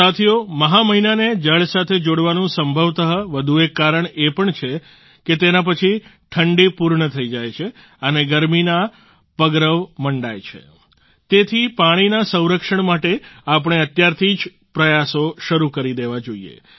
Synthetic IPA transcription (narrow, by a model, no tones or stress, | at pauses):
at̪ʰioməɦaməɦinaned͡ʒəɭsat̪ʰed͡ʒoɽʋanũsəmbʱəʋt̪əɦəʋəd̪ʱuekːaɾəɳepəɳt͡ʃʰe | ket̪enap̬ət͡ʃʰi | ʈʰəɳɖipuɾɳət̪ʰəid͡ʒajt͡ʃʰe | əneɡəɾmina | pəɡɾəʋməɳɖajt͡ʃʰḛ | t̪et̪ʰipaɽ̃inasə̃w̃ɾəkʃəɳmaʈeap̬əɽ̃eət̪jaɾt̪ʰid͡ʒ | pɾəjasoʃəɾukəɾid̪eʋad͡ʒoiḛ